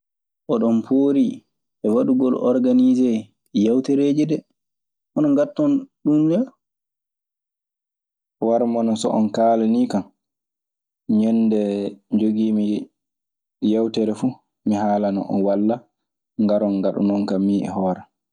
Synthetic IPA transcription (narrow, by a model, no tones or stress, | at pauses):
ʔɔɗɔmpʰoːɾi | ɛwaɗuɡɔlɔ̰ɾɡanizɛ | jawtɛɾeːd͡ʒidɛ | ʔɔnɔŋɡatːɔnɗumdɛ | waɾmɔnɔsɔ̰ʔɔnkaːlɛnikam | ɲɛnːdɛd͡ʒoɡiːmi | jawtɛɾɛfu | miɦaːlanɔ̰ʔɔ̰nwalːa | ŋɡaɾɔnɡaɗṵnɔnkamːiːɛ̰hɔːɾɛ